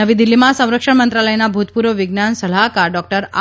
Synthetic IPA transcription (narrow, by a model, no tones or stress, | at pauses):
əʋid̪ɪlːimãsə̃w̃ɾəkʂəɳmənt̪ɾaləjnabʱut̪puɾʋəʋɪɡnansəlakaɾɖɔk̚ʈəɾa̰